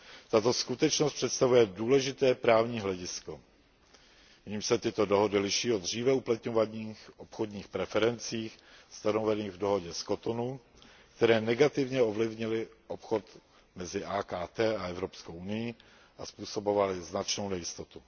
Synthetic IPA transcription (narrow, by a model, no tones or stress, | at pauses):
t̪at̪o̞skut̪ɛt͡ʃnost̪pr̥ɛt̪st̪avujɛduːlɛʒɪt̪ɛːpɾaːvɲiːɦlɛɟɪsko̞ | ɲiːmʃsɛt̪ɪt̪o̞doɦo̞dɪlɪʃiːod̪r̝iːvɛuplat̪ɲovaɲiːxʔopxodɲiːxpɾɛfɛɾɛnt͡siːxst̪anovɛniːɣvdo̞ɦo̞ɟɛskot̪onu | kt̪ɛɾɛːnɛɡat̪ɪvɲɛovlɪvɲɪlɪʔopxo̞t̪ | mɛzɪʔaːkaːt̪ɛːaɛvɾopskowʔunɪji | ʔaspuːso̞bovalɪznat͡ʃno̞wnɛjɪst̪ot̪u